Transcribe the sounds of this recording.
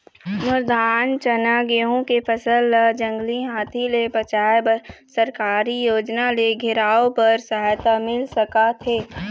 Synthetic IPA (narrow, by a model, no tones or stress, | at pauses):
mʊɾd̪aːnt͡ʃɐnaːɡeːɦõkepʰəsəld͡ʒə̃ŋɡliɦaːt̪ʰilepɾət͡ʃaːjbəsəɾkaːɾijoːd͡ʒnaleɡʱɪɾaːopɐɾsɐɦaːjt̪amɪlsəkat̪ʰeː